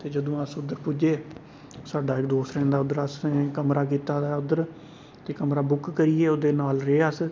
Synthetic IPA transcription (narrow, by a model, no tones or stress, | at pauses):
t̪eːd͡ʒəd̪õːəsʊd̪ːəɾpʊd͡ʒeː | saːɖaːɪkd̪oːsɾɛ̃ːnd̪aːʊd̪əɾəsekəmɾaːk̬iːt̪aːd̪aːʊd̪əɾ | t̪eːkəmɾaːbʊkkəɾieːoːd̪eːnaːlɾeːəs